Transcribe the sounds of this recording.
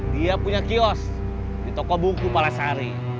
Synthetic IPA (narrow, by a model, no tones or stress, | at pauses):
diapuɲakiɔs | dit̪ɔkɔbukupalasaɾi